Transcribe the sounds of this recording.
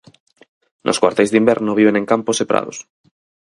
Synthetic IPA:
nʔo̰skwaɾt̪ezðimbɛɾnoβ̞iβ̞eneŋkamposepɾa̰ðo̰s

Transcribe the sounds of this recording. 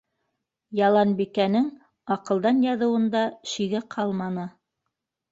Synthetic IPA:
jɑlˠɑnbikænɘŋ | ɑqɤ̆lˠd̪ɑnjɑðɤ̆wɤ̆nd̪ɑʃiɡɘqʰɑlˠmɑnɤ

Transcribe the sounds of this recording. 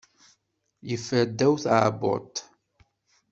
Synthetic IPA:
jəfəɾd̪ːæwθʕbo̰t̪

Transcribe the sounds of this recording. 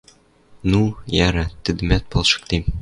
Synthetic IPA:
nujæɾæt̪ɘ̆d̪ɘ̆mæt̪̚bɒlˠʃɤ̥̆k̚t̪em

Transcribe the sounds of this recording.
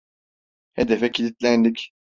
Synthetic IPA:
hɛd̪ɛfɛcʰilit̪lʲænlʲic

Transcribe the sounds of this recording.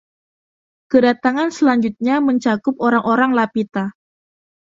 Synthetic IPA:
kədat̪aŋansəlaɲd͡ʒut̪̚ɲaməɲt͡ʃakʊpoɾaŋʔoɾaŋlapit̪a

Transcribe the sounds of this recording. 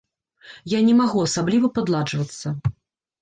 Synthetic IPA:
janʲɛmaɣuɐsablʲivɐpad̪lˠad͡ʐvɐt̪sːɐ

